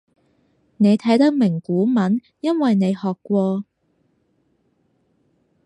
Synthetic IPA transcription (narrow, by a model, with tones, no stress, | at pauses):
ne˨˧jt̪ʰɐ˨˥jt̪ɐ˥k̚mɪ˨˩ŋkuː˨˥mɐ˨˥n | jɐ˥nwɐ˨jne˨˧jhɔː˨kːʷwɔː˧